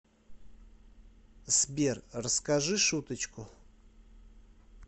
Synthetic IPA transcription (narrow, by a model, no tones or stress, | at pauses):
sbʲerrəskɐʐɨʂut̪ət͡ɕkʊ